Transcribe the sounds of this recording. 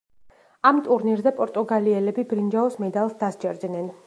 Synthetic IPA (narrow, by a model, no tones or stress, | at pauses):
amt̪ʼuɾniɾzɛpʼɔɾt̪ʼuɡaliɛlɛbibɾind͡ʒaɔsmɛd̪alˠsd̪asd͡ʒɛɾd̪nɛn